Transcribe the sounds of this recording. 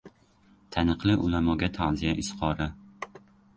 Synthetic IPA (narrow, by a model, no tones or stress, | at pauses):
t̪ʰanɨqlˠɪʔʊlamɒɡʲat̪ʰaʕzijaʔɪsqʰɒɾɪ